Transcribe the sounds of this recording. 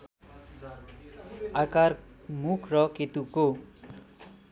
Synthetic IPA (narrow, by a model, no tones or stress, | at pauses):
akarmukʰrʌket̪uko